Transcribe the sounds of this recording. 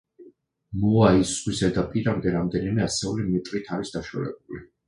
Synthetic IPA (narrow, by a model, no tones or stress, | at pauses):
muaiswizɛd̪apʼiɾamd̪ɛɾamd̪ɛnimɛasɛulimit̪ʼɾʼit̪ʰaɾisd̪aʃa̰lɛ̰b̚uli